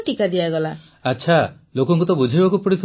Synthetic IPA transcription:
ʈikad̪iaɡɔla | atːʃʰa | lokɔŋkut̪ɔbud͡ʒʱibakupɔɽit̪ʰ

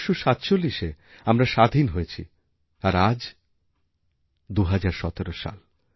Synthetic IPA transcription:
ʃuʃat̪t͡ɕolːiʃe | amɾaʃad̪ʱinɦojet͡ɕʰi | aɾad͡ʑ | d̪uɦad͡ʑaɾʃɔt̪eɾoʃa̰l

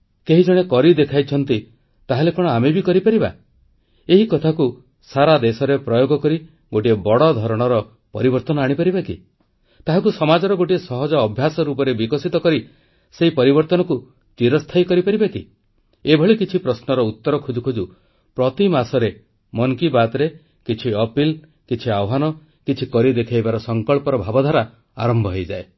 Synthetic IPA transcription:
keɦid͡ʒɔɽ̃ekɔɾid̪ekʰajt͡ʃʰɔnt̪i | t̪aɦelekɔɽ̃ɔamebikɔɾipaɾiba̰ | eɦikɔt̪ʰaku | saɾad̪esɔɾepɾɔjoɡɔkɔɾi | ɡoʈiebɔɽɔd̪ʱɔɾɔɽ̃ɔɾɔ | pɔɾibɔɾt̪ɔnɔaɽ̃ipaɾibakḭ | t̪aɦakusɔmad͡ʒɔɾɔɡoʈiesɔɦɔd͡ʒɔːbʱjasɔɾupɔɾebikɔsit̪ɔkɔɾi | seɦipɔɾibɔɾt̪ɔnɔku | t͡ʃiɾɔst̪ʰajkɔɾipaɾibaki | ebʱɔɭikit͡ʃʰipɾɔsnɔɾɔut̪ːɔɾɔkʰud͡ʒukʰod͡ʒu | pɾɔt̪imasɔɾe | mɔŋkibat̪ɾe | kit͡ʃʰiɔpil | kit͡ʃʰiawɦanɔ | kit͡ʃʰikɔɾid̪ekʰajbaɾɔsɔŋkɔɭpɔɾɔbʱabɔd̪ʱaɾa | aɾɔmbʱɔɦejd͡ʒae

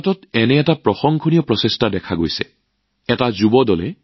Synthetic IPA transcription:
tɔtɛnɛɛtapɹɔxɔŋkʰɔnijɔpɹɔsestadɛkʰaɡojsɛ̰ | ɛtazubɔdɔlɛ

